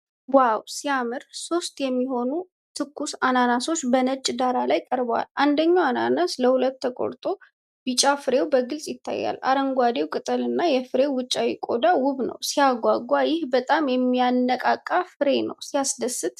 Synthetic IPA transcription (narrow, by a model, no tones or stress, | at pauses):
wawsijamɨɾso̞st̪jɛmːiho̞nu | t̪ʰɨkːusananaso̞t͡ʃːbənət͡ʃʼːd̪aɾalajkʼəɾbəwa̰lʔand̪əɲːawananasləhulət̪ːəkʼo̰ɾt̪ʼo̞ | bɨt͡ʃʼafɨɾe̞wbəɡɨlsʼjɪt̪ʰːa̰jːa̰lːa̰ɾəŋɡʷad̪e̞wkʼɨt̪ʼəlɨnːajɛfɨɾe̞wɨt͡ʃʼːawikʼo̞d̪awʊβnə̰wsijaɡʷːaɡʷːajɪhbət̪ʼamjɛmːijanːəkʼakʼːafɨɾe̞nə̰wsiasd̪əsːɨt̪